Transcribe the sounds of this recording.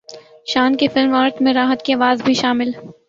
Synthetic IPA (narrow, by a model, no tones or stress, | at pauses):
ʃaːnkefɪlmaːɾt̪mẽɾaːɦət̪kiaːʋaːzbʱiʃaːmɪl